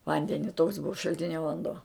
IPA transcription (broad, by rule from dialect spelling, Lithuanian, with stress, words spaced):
ˈʋɐnʲdʲɛnʲɪ toːks ˈbʊʋɐ ʃɐlʲˈtʲɪnʲoː ʋɐnˈduɔ